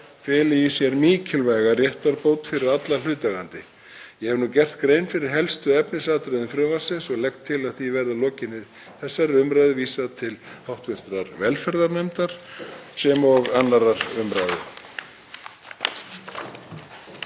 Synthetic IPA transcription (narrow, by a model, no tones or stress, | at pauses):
fɛːlɪjisjɛɾmiːcʰɪlvajɣarjɛht̪aɾpoːwt̪fɪɾɪɾat̪lal̥ʏːt̪aɣant̪ɪ | jɛhɛvnuːcɛr̥t̪kɾejnfɪɾɪɾ̥ɦɛlst̪ʏɛpnɪsaːt̪ɾɛðʏmfɾʏːvasɪnsɔɣlɛkt̪ʰːɪlaðθivɛɾðalɔːcɪnːɪ | θɛsːaɾʏmɾajðɪviːsaðt̪ʰɪlhawht̪vɪr̥t̪ɾaɾvɛlfɛɾðaɾnɛmt̪aɾ̥sɛmɔɣanːaɾaɾʏmɾajðʏ